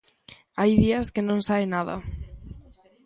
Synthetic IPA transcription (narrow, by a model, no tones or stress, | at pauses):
ajðiɐskɪnõŋsaenaðɐ̰